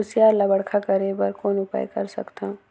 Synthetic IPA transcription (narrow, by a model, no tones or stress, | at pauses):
ʊsjaːɾlabəɽkʰakɐɾebɐɾkoːnʊpa̰ːjkɐɾsɐ̰kt̪ã